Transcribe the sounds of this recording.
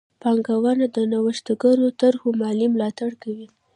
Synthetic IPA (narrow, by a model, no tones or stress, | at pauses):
pɑŋɡawanad̪ənawəʃt̪aɡaɾot̪aɾhomɑlimlɑt̪aɽkawi